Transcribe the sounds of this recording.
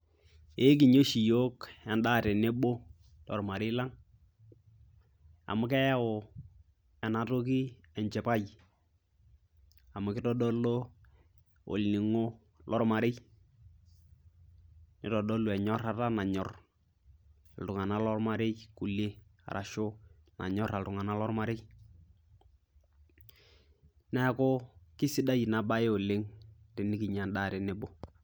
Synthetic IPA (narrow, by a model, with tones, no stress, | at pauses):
e˦k̬ɪ˨ɲo˦ʃi˨jo˦kɛ˨nda˦˨tɛ˨ne˦ɓo˦ | lɔ̰˨rma˨ɾɪ˦la˦ŋ | a̰˨mʊ˦k̬ɛ˦ja˦ʊ˨ | ɛ˨na˨to˦ki˦ | ɛ˨nt͡ʃɛ˨pa˦j | a˨mʊ˨kɪ˦tɔ˦dɔ˦lo˦ | o̰˨lni˨ŋo˦ | lʔɔ˦rma˨ɾɪ˦ | nɪ˨tɔ˨dɔ˦lo˨ɛ˨ɲɔ˦ɾa˨ta˦na˨ɲɔ˨r | a˨ltʊ˨ŋa˨na˦lɔ˦rma˦ɾɪ˦jku˨le˦a̰˨ɾʔa˨ʃo˦na̰˨ɲɔ˦ɾa˨ltʊ˨ŋa˨na˦lɔ˦ɾma˦ɾɪ˦j | nɛ˦ko˦kɪ˦sɪ˦da˦jna˨ba˦je˦o˨le˦ŋtɪ˨nɪ˦kɪ˨ɲa˨nda˦˨ɾɪ˨nɪ˦bo˦